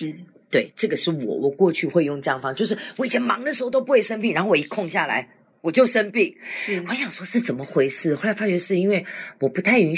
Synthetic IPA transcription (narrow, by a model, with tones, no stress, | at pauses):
t̪we˥˩ɪʈ͡ʂɤ˥˩ɡə˩ʂɻ̩˥˩wɔ̰˨˩wɔ˨˩˦kwɔ˥˧t͡ɕʰy˥˧xwe˥˧ɪjo˥˧ŋʈ͡ʂɤ˥˧jɑ˥˨˩fɑ˥ŋt͡ɕjo˥˧ʊʂ̬ɻ̩˥˩wɔ˧˥i˨˩t͡ɕʰjɛ˨˥nmɑ̰˧˥ŋd̪ə˨ʂɻ̩˧˥xo˥˩t̪o˥ʊpu˧˥we˥˩ʂə˥npi˥˩ɻa˧nxo˥˩wɔ˨˧i˦˥kʰo˥˧ŋɕja˥˩la̰˨˧˦ɪ | wɔ˨˩t͡ɕjo˥˩ʊʂə˥npi˥˩ŋ̩˥wɔ˧˦ɕjɑ˨˩ŋʂwɔ˥ʂɻ̩˥˩t͡sə˨˩nmə˦xwe˧˥ɪʂɻ̩˥˩xo˥˩la˧˥ɪfa˥t͡ɕɥɛ˧˥ʂɻ̩˥˩i˥nwe˥˩ɪwɔ˨˩pu˧˥t̪ʰa˥˩ɪi˧˥n